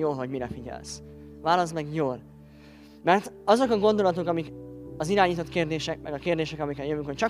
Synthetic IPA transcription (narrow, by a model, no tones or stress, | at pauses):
joːlɦo̞ɟmiɾɛfiɟɛ̰ls | vaːlɒsmɛɡjoːl | mɛrt̪ɒzo̞kɒɡo̞nd̪o̞lɒt̪okɒmikɒziɾaːɲiːt̪ot̪keːrd̪eːʃɛk̚mɛ̰ɡɒkeːrd̪eːʃɛkɒmikɛljøvyŋkoct͡ʃɒ